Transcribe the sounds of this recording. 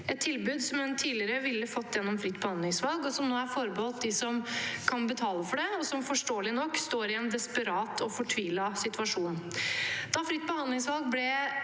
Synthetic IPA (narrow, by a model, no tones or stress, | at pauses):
ɛt̪ʰːɪlbʉːd̪sɔmɛnt̪ʰiːlɪəɾəʋɪlːəfɔt̪ːjɛnːɔmfɾɪt̪ːbəhɑnd̪lɪŋsʋɑlˠɡɔsɔmnoːæɾfɔɾbəoːt̪̚d̪ɪsɔmkʰɑnbət̪ʰɑːləfɔɖɛɔsɔmfɔʂʈoːlɪnɔkːst̪oːɾɪɛnd̪ɛspəɾɑːt̪ʰɔfɔʈʰʋiːlɑsɪt̪ʉɑʂuːnn̩d̪̥ɑfɾɪt̪̚ːbəhɑnd̪lɪŋsʋɑlɡ̚blɛ